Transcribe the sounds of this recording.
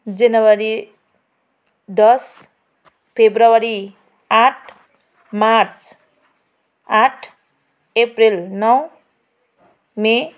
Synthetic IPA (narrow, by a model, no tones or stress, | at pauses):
d͡zʌnʌwaɾi | d̪ʌs | pʰebɾawaɾi | aʈʰ | maɾt͡s | aʈʰ | epɾilnʌw | me